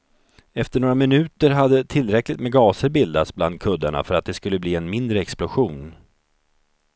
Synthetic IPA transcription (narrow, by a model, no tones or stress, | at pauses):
ɛft̪əɳoːɾamɪnʉ̟ːt̪əɾɦad̪ːət̪ʰɪlːɾɛklɪt̪mɛɡɑːsəɾbɪld̪at̪sbla̰nd̪̚kʰɵd̪aɳa̰fœɾat̪̚d̪ɛskɵlːəbliːɛnmɪnd̪ɾəɛksplʊɧuːn